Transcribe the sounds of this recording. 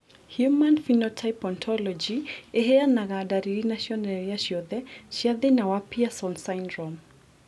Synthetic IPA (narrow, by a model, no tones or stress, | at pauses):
hjumanfinɔtʰajpɔntʰɔlɔd͡ʒiɛɦɛanaɣadaɾiɾinaʃiɔnɛɾiaʃiɔðɛʃaðɛnawapiasɔnsajndɾɔm